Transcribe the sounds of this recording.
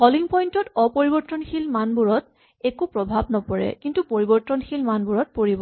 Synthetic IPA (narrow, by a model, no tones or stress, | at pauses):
kɔliŋpɔjntɔtɔpoɹibɔɹtɔnxilmanbuɹɔt̚ | ekupɹɔbʱabnɔpɔɹɛ̰kintupoɹibɔɹtɔnxilmanbuɹɔt̚poɹibɔ